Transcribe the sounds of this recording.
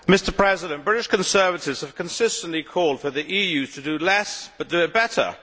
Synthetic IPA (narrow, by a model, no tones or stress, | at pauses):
mɪstə˞pʰɹ̥ɛzɪɾə̃nb̥ɹɪɾɪʃkə̃nsɜ˞vətɪvz̥əv̥kʰə̃nsɪstə̃n̩ʔlikʰɔlˠd̥fə˞ðiʔijʉtʰədəlɛsb̥ʌt̚d̥ɨɪt̚b̥ɛɾə̰˞